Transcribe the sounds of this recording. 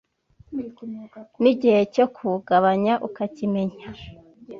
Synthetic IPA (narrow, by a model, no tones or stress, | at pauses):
niɟihe̞cokʰuɡaβaɲaʔukacime̞ɲa